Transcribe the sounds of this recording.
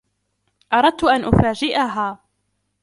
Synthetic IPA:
ʔɑɾˤɑd̪̚t̪ʊʔanʔʊfaːd͡ʒɪʔaɦaː

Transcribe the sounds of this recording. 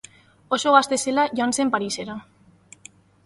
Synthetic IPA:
o̞so̞ɣ̞ast̪e̞se̞laʝoanse̞mpaɾise̞ɾa

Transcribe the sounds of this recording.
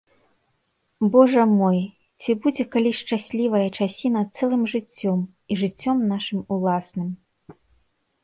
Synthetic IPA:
bɔʐɐmɔj | t͡sʲibud͡zʲɛkalʲiʂt͡ʂasʲlʲivɐjɐt͡ʂasʲinɐt̪sɛlˠɨmʐɨt͡sʲːɔm | iʐɨt͡sʲːɔmnaʂɨmulˠasnɨm

